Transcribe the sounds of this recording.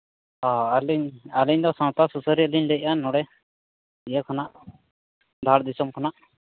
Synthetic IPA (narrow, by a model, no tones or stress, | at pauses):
ɔaliɲaliɲd̪ɔsãwt̪asusəɾiəliɲlɛc̚ˀanɔɽɛ | ijɛkʰanaʔ | d̪ʱaɾd̪isɔmkʰanaʔ